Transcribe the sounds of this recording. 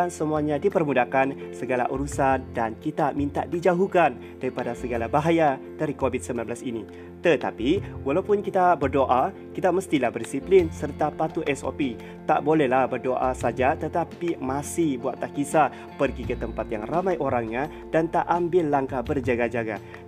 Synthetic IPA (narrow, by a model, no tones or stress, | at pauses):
nsəmuaɲãdipərmudakansəɡala̰ʔuɾusandankit̪amĩnt̪a̰ʔdid͡ʒaɦukan | d̥aɾipadasəɡalabaɦaja | d̥aɾikobit̪̚səmbilanblasini | t̪ət̪a̰piwalawpʊnkit̪abərdoʔa | kit̪aməst̪ilahbərdisiplɪnsərt̪apat̪uʔɛso̰pi | t̪a̰ʔbolɛhlahbərdoʔasad͡ʒat̪ət̪apimãsɪhbuat̪ːahkisa | pərɡikət̪əmpat̪jaŋramãjʔoɾaŋɲa | d̥ant̪aʔambɪlːaŋkabərd͡ʒaɡad͡ʒaɡa̰